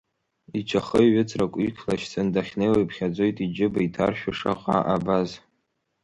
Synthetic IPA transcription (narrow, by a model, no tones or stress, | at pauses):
it͡ʃʰaχəɥɪt͡sʰrakʷʼykʲʰlaʃt͡sʰandaχʲnejwajpʰχʲad͡zʷo̞jtʼid͡ʒɪbaitʰa̰rʃᶣaʂa̰χʷa̰ʔabaz